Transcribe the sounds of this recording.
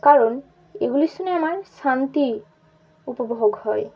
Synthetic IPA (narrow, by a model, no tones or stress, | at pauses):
kaɹɔn | ḛɡulisunɛamaɹsant̪i | upɔboɦɔɡhɔj